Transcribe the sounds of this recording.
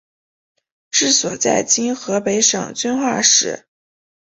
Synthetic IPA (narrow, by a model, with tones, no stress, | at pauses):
ʈ͡ʂɻ̩˥˩swɔ˨˩t͡sa̰˥˩ɪt͡ɕi˥nxɤ˧˥pe˧˥ɪʂɤ̰˨˩ŋt͡ɕy˥nxwa̰˥˩ʂɻ̩̰˨˧˩